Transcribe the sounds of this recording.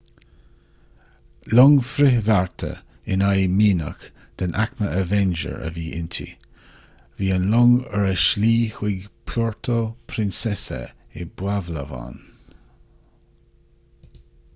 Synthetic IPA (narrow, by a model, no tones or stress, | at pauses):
lɔŋfɾɪhvaɹt̪ʰə̰ | ɪnajmiːnə̰k | d̪̥ənʔakməəvɛnd͡ʒə̰ɹə̰viːʔɪnt̪ʰḭ | viːənlɔŋəɹɛʃliːxwɪɡpʰlɔɹt̪ʰopʰɾɪnsɛsə̰ɪbwavləva̰n